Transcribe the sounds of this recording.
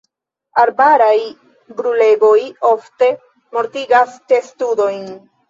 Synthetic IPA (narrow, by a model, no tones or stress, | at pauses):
aɾbaɾaj | bɾule̞ɡo̞jo̞fte̞ | mo̞ɾtiɡaste̞studo̞jn